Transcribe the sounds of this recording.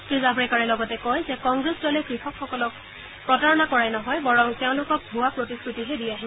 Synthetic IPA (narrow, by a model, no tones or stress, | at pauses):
tɹizabɹɛkaɹɛlɔɡɔtɛkɔjzɛkɔŋɡɹesdɔlɛkɹixʰɔkʰxɔkɔlɔk̚ | pɹɔtaɹɔnakɔɹajnɔɦɔjbɔɹɔŋteʊ̃lʊkɔk̚bʱuwapɹotiskɹutiɦɛdijaɦi